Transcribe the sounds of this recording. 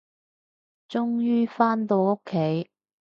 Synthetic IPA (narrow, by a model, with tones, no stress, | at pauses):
t͡sʊ˥ŋjyː˥faː˥nt̪o˧wʊ˥kʰːe˨˥j